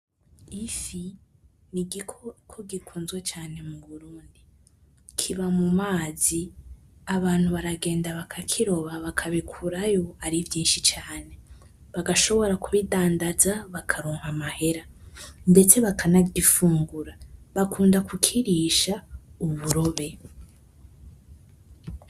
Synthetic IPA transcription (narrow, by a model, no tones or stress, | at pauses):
ifi | niɡikokʰoɡikʰuːnzwet͡ʃaːne̞muβuɾuːndi | kʰiβamumaːzi | aβaːn̥huβaɾaɡe̞ːndaβakʰakʰiɾo̞βaβakʰaβikʰuɾajo̞aɾivjiːnʃit͡ʃaːne̞ | βaɡaʃo̞βo̞ɾakuβidaːndazaβakʰaɾoːŋhamahe̞ɾande̞t͡se̞βakʰanaɡifuːŋɡuɾaβakuːndakʰukʰiɾiʃauβuɾo̞βe̞